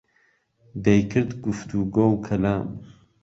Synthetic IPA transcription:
d̪ejkʰɨɾd̪ɡuft̪ʰuɡowkʰɐlaːm

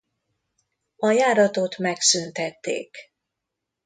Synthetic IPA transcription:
ɒjaːɾɒt̪o̞t̪mɛksynt̪ɛt̪ːḛːk

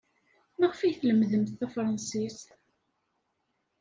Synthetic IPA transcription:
nəʁfijθləmðəmθθæfɾˤɑnsist̪

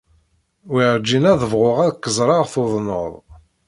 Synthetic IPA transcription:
wiʕd͡ʒːinæðəvʁʊʁæðkːəzˤɾˤɑʁθoðˤno̰ðˤ

